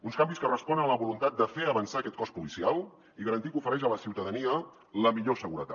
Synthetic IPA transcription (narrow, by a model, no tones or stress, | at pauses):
unskambiskərəspɔnənələβulunt̪at̪̚d̪əfeəβənsaəkɛt̪kɔspulisialˠ | iɣəɾənt̪ikufəɾɛʃələsiwt̪əðəniə | ləmiʎosəɣuɾət̪a̰